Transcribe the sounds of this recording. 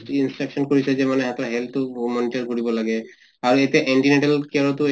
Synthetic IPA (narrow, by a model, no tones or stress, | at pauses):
insʈɹaksɔnkoɹisɛzemanɛɦat̪ʰɾaɦɛlt̪umɔniʈaɹkoɹibɔlaɡɛ | aɹet̪iaʔɛɳʈineʈalkeɹɔt̪u